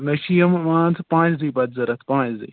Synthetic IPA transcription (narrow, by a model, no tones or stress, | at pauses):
nɐʃijɐmmãːt̪ʰpãːt͡ʃziːbɐd̪zɐɾɐt̪ʰpãːt͡ʃzḭ